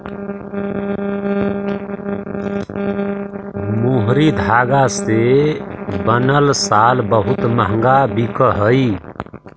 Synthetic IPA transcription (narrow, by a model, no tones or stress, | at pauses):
muɦɾid̪ʱaɡase | bənəlsalbəɦut̪məɦə̃ŋɡabikəɦəj